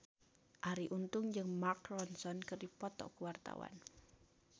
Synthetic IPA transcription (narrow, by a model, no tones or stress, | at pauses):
ʔaɾiʔunt̪ʊŋd͡ʒɨŋmarkrɔnsɔnkɨrdipɔt̪ɔ̰kuwart̪a̰wa̰n